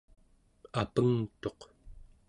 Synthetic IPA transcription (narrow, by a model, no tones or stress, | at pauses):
apəŋt̪o̞q